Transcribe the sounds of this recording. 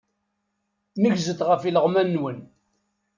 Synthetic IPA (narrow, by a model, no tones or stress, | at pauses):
nəʝzət̪ʁəfiləʁmænːwən